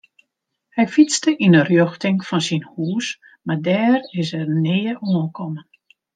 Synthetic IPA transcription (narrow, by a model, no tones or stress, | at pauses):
hɛjfit͡stəʔinərjøxtɪŋfɔnsinhuːs | mardɛːrɪsɛrnɪːəʔuənkʰɔmən